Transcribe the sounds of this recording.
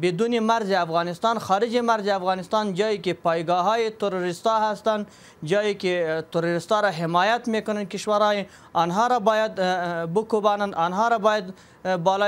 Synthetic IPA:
bɪd̪unemaɾzeafɣɑnɪst̪ɑnxɑɾɪd͡ʒemaɾzeafɣɑnɪst̪ɑnd͡ʒɑjekepɑjɡɑɦɑjet̪ʊɾuɾɪst̪ɑɦast̪an | d͡ʒɑjeket̪ʊɾuɾɪst̪ɑɾaɦɪmɑjat̪mekʊnankɪʃwaɾɑje | ɑnɦɑɾabɑjad̪bʊkubɑnand̪ɑnɦɑɾabɑjad̪ | bɑlo

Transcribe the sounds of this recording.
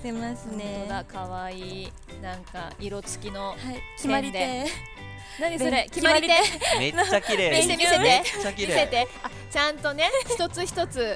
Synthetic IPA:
est̪oɡakʰaβaiː | nãŋkaiɾo̞t͡sɨ̥kʲino̞hḁieãid̪ee | nãɲd̪eɾekʲimmaɾʲiɾt̪emeakiɾemiemʲise̞t̪et͡ɕːakiieise̞t̪e̞a | t͡ɕãnt̪o̞ne̞çi̥t̪o̞t͡sɨçi̥t̪o̞t͡sɨ

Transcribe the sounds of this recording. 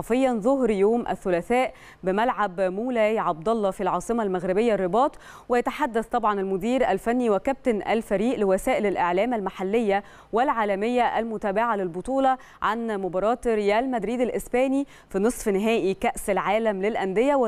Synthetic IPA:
ɑfejːɑnzoɦɾjoːmʔæ̰θːʊlæθæːʔ | bɪmælʕabmuːlæːjʕɑb̚d̪ɑlˤːɑfilʕɑːsˤɨmɑlmæɣɾɪbejːærˤːɪbɑːt̪ˤ | wɪjæt̪aħad̪ːæθt̪ˤɑbʕɑnælmʊd̪iːɾʔælfænːiwɪkæp̚t̪enʔæ̰lfæɾiːʔlewæsæːʔɪlælʔeʕlæːmælmaħalːejːæ | wɪlʕaːlæmejːæʔælmʊt̪æːbɪʕalelbot̪ˤuːlɑ | ʕa̰nmobɑːɾˤɑːt̪ɾejæːlmæd̪ɾiːd̪ælʔɪsbæːni | finɨsˤfnɪɦæːʔikæʔsælʕaːlæmlɪlʔænd̪ejæw

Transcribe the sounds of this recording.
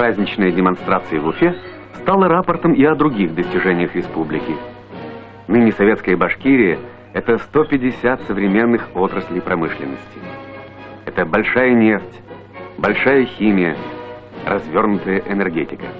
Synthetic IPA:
pɾazʲnʲɪt͡ɕnəjədʲɪmɐnst̪ɾat̪sɨjɪvʊfʲe | st̪alˠəɾapərt̪əmɪɐd̪ɾʊɡʲixd̪əsʲtʲɪʐɛnʲɪjəxɾʲɪspublʲɪkʲɪ | nɨnʲɪsɐvʲe̞t̪skəjəbɐʂkʲiɾʲɪjə | ɛt̪əst̪opʲɪdʲɪsʲat̪səvɾʲɪmʲenːɨxo̞t̪ɾəsʲlʲɪjpɾɐmɨʂlʲɪ̰nːəsʲtʲɪ | ɛt̪əbɐlʲʂajənʲe̞ftʲ | bɐlʲʂajəxʲimʲɪjə̰ | rɐzvʲo̞rnʊt̪əjəʔɪnɛrɡʲetʲɪkə

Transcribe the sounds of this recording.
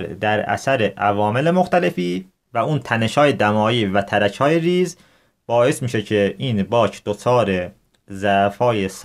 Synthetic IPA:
ɾd̪æɾæ̰sæɾeʔævɒːme̞le̞moxt̪æle̞fiː | væuːnt̪ʰæneʃɒːje̞d̪æmɒːjiːvæt̪ʰæɾæcʰhɒːjeɾiːz | b̥ɒːe̞smiːʃecʰe̞iːnbɒːcʰd̪̥ot͡ʃʰɒːɾe | zæfɒːjes

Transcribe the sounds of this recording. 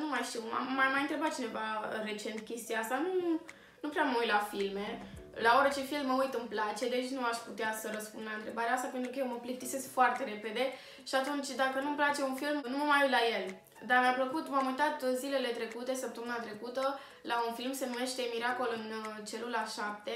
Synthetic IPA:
numajʃt̪iwma̰ːajmajɨnt̪ɾe̞bat̪̚t͡ʃine̞vaɾe̞t͡ʃe̞nt̪kʲe̞st̪iaast̪anu | nupɾeaməujt̪lafilme̞ | laoɾət͡ʃe̞filmːəujt̪ɨmplat͡ʃe̞d̪et͡ʃʲnuaʃput̪easəɾəspund̪laɨnt̪ɾe̞baɾeaast̪apet̪ɾukəjewməplik̚t̪ise̞skfoart̪e̞ɾe̞pe̞d̪e̞ | ʃiat̪unt͡ʃʲd̪akənumplat͡ʃe̞unfilmnumajuj̪laje̞l | d̪armʲampləkut̪mamujt̪at̪zile̞le̞t̪ɾe̞kut̪e̞səp̚t̪əmɨnat̪ɾe̞kut̪ə | launfilmse̞nume̞ʃt̪e̞miɾako̞lɨnt͡ʃe̞lulaʃap̚t̪e

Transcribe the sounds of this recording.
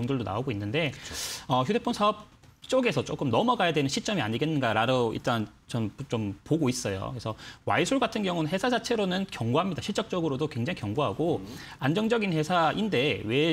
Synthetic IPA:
ŋdɯɭdona̰oɡoinːɯnde̞ʌçjudep͈ʰonsʰaʌp̚ | t͡ɕ͈oɡe̞sʰʌt͡ɕ͈ok͈ɯmnʌmʌɡajadwenɯnɕʰiɭt͡ɕ͈ʌmia̰ɲiɡe̞nːɯnɡaɾaɾʌḭɭt͈an | t͡ɕʌnt͡ɕompoɡois͈ʌjo̰kesʰʌwa̰isʰuɭɡatʰɯnɡjʌŋunɯnɦe̞sʰasat͡ɕʰe̞ɾonɯnkjʌŋɡuɦamɲidaɕʰiɭt͡ɕ͈ʌk̚t͡ɕ͈ʌɡɯɾodokwe̞ŋd͡ʑaŋikjʌŋɡuɦa̰ɡoand͡ʑʌŋd͡ʑʌɡinhe̞sʰaʔinde̞we̞

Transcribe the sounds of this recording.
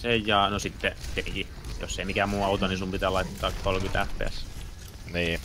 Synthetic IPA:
sejːɑːnosit̪ːet̪eki | jo̰sːeimikæmuːɑut̪onisumpit̪æːlɑit̪ːɑːkkolkyt̪æhpḛˑs | niː

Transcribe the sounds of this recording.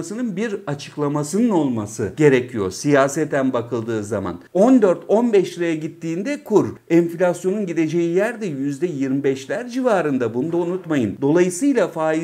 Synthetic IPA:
sɯnɯnbiɾat͡ʃʰɯ̥klˠamasɯnɯno̞lˠmasɯɟe̞ɾecʰijo̞̰ɾsijaːsɛt̪ʰːænbakʰɯlˠd̪ɯːzama̰no̞nd̪ø̞ɾt̪ʰo̞nbɛʃɾejɛɟit̪ːiːnd̪ɛkʰuɾɛnflʲasjo̞nunɟid̪e̞d͡ʒe̞jijæɾd̪ɛjyzd̪ɛjiɾmibɛʃlʲæɾd͡ʒivaːɾɯnd̪abunud̪aunut̪majɯnd̪o̞lˠajɯsɯjlˠafaːi

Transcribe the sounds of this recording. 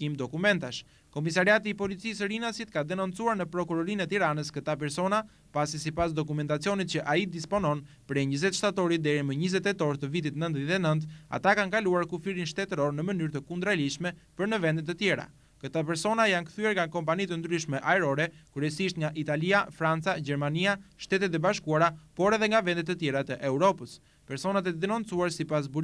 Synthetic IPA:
imd̪ɔkumɛnt̪aʃ | kɔmisaɾiat̪iːpɔlit͡sisəɾinasit̪̚kad̪ɛnɔnt͡suaɾnəpɾɔkuɾɔɾinɛt̪iɾanəskət̪ap̬ɛɾsɔna | pasisipasd̪ɔk̬umɛnt̪at͡siɔnit̪t͡ɕəʔaid̪ispɔnɔn | pɾɛɲəzɛt̪ʃt̪at̪ɔɾid̪ɛɾiməɲizɛt̪ːɛt̪ɔɾt̪əvit̪it̪nənt̪ðɛnənt̪a̰t̪akankaluaɾkufiɾinʃt̪ɛt̪əɾɔɾnəmənyɾt̪əkund̪ɾaliʃmɛpəɾnəvɛnd̪ɛt̪ːət̪jɛɾa̰ | kət̪apɛɾsɔnajankθyɛɾŋɡakɔmpanit̪ənd̪ɾyʃmɛʔaɛɾɔɾɛkɾɛsiʃt̪ŋɡaʔit̪aliafɾant͡saɟɛɾmaniaʃt̪ɛt̪ɛt̪ɛbaʃkuaɾapɔɾɛðɛŋɡavɛnd̪ɛt̪ːət̪jɛɾat̪əʔɛuɾɔpəs | pɛɾsɔnat̪ɛəd̪ɛnɔnt͡suaɾsipas̬bu

